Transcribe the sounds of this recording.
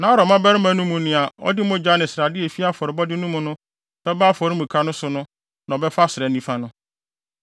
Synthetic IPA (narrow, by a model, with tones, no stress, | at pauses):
nã˨˦ɾɔ˨mã˦bɛ˦ɾɪ˦mã˦nũ˦mũ˨nɪ̃˨a˨ɔ̰˦dɪ˦mʊ̃˦d͡ʑᶣa˦nɪ̃˨sɪɾa˨dɪ˦e˨fi˦a˦fɔ˨ɾɪ˨bɔ˦dɪ˦nũ˦mʊ̃˦nʊ̃˦ | b̥ɛ˦baː˦fɔ˨ɾɪ˦mũ˨kʰa˦nʊ̃˦sʊ˨nʊ̃˦ | nã˨ɔ˨bɛ˦fa˦sɪ˨ɾɛ˨˦nĩ˦fa˦nʊ̃˦